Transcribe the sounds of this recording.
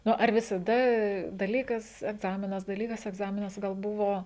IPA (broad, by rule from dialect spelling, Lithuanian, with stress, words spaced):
ˈnʊ ɐr ʋʲɪsɐˈdɐ dɐˈlʲiːkɐs ɛɡˈzɑːmʲɪnɐs dɐˈlʲiːkɐs ɛɡˈzɑːmʲɪnɐs ɡɐlˠ ˈbʊʋoː